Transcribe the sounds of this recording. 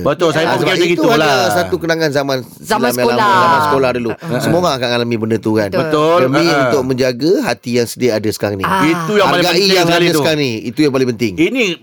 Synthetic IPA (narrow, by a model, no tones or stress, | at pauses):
bət̪ʊlsajaəbait̪uadasat̪ukənaŋãnzamãn | almjãaazamãnsə̥kolahdəlusəmoɣaŋakaʔŋalamĩbəndət̪uɦanbət̪ʊdəmĩunt̪ʊk̚mə̃ɲd͡ʒaɡaɦat̪ijaŋsədiaʔadasə̥kanĩit̪ujaŋapalɡaijaŋadassəkanĩit̪ujãŋpalɪ̃pənt̪ɪŋini